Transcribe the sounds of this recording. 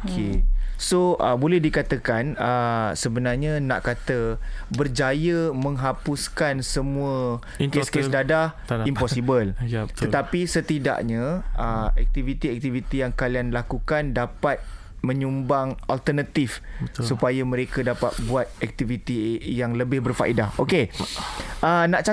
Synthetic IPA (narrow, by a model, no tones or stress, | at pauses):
okʰesoʔəbolɛhdikat̪əkanəsəbənarɲana̰ʔkat̪əbərd͡ʒajəmə̃ŋɦapuskansəmũə | keskesdada | impɔsibəltt̪ət̪apisət̪ida̰ʔɲaəɛ̰k̚t̪ivit̪iɛk̚t̪ivit̪ijaŋkalianlakukandapat̪̚ | mə̃ɲumbaŋalt̪ərnat̪ifbəsupajamə̃ɾekadapa̰t̪̚buat̪̚ɛk̚t̪ivit̪ijaŋləbɪhbərfaʔidahoke | ʔənaʔt͡ʃa